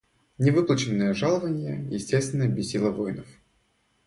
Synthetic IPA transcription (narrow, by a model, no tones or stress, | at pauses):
nʲɪvɨplˠət͡ɕɪnːəjəʐalˠəvənʲɪjə̰jɪsʲtʲest̪vʲɪnːəbʲɪsʲːilˠəvojnəf